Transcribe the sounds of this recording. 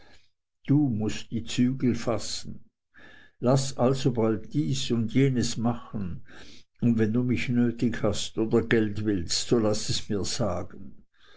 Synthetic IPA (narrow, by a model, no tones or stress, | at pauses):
d̥uːmʊstd̥iːt͡syːɡl̩fasn̩ | lasʔalzobaltd̥iːsʊndjeːnəsmaχən̩ | ʊndvɛnduːmɪçnøːtɪçhastʔoːdɐɡɛltv̥ɪlstz̥olasɛsmiːɐz̥aːɡən̩